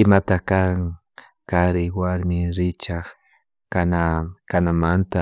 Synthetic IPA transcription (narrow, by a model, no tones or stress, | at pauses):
ɪmat̪akaŋ | kaɾɪwaɾmɪɾɪt͡ʃaχ | kanakanamant̪a